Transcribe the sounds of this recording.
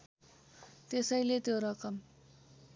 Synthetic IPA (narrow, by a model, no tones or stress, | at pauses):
t̪esʌjlet̪joɾʌkʌm